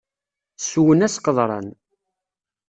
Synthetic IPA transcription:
suwənæsqəðˤɾˤɑ̰n

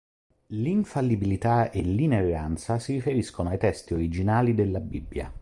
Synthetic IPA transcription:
liɱfalːibilit̪aelːineɾant̪sasiɾifeɾiskonoajt̪ɛst̪ioɾid͡ʒinaːlid̪elːabibːja̰

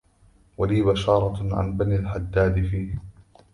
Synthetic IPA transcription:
waliːβaʃɑːɾˤɑʕa̰nbaniːlħad̪ːaːd̪ɪfiːh

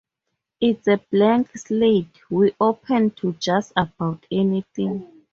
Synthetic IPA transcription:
itseblɛ̃ŋksled | wiʔopʰɛ̃ntʰud͡ʒastab̥awtʰɛniθĩŋ

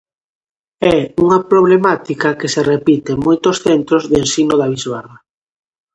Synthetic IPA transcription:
ɛuŋɐpɾoβ̞lemat̪ikɐkɪserepit̪emojt̪osθent̪ɾozðensinoðaβizβara

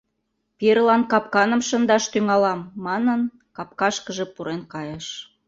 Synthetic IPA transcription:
peɾlɑnkɑp̚kɑnə̆mʃənd̪ɑʃt̪yŋɑlɑmːɑnən | kɑp̚kɑʃkəʒĕpuɾenkɑjəʃ

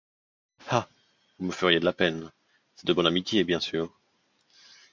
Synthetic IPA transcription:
ha | vuməfəʁjed̪əlapɛn | sɛt̪d̪əbɔnamit̪jebjɛ̃syːʁ

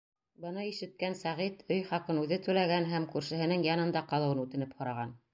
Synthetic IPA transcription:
bɤ̆nɤiʃɘ̆t̪̚kænsæʁit̪ɵjχɑqɤnʉðɘt̪ʉlæɡænɦæmkʉɾʃɘ̆ɦɘ̆nɘŋjɑnɤ̆nd̪ɑqɑlˠɤ̆wɤnʉt̪ɘ̆nɘphŏɾɑʁɑn

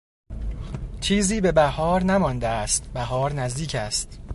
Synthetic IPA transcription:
t͡ʃʰiːziːbe̞bæhɒːɾnæmɒnd̪eæst̪̚bæɦɒːɾnæzd̪iːcʰæst̪̚

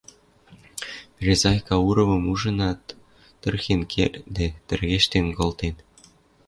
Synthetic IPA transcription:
pʲrʲezɑjkɑuɾɤ̆mɤ̆muʒɤ̆nɑt̪ː | ɤ̆rxenkʰḛrʲd̪et̪ɘ̆rɣeʃt̪enkŏlt̪en

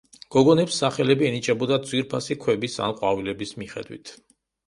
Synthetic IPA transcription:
ɡ̥ɔɡɔnɛpsːaχɛlɛbiɛnit͡ʃʼɛbɔd̪ad̪zwiɾpʰasikʰwɛbisa̰nqʼwavilɛbismiχɛ̰d̪wḭt̪ʰ

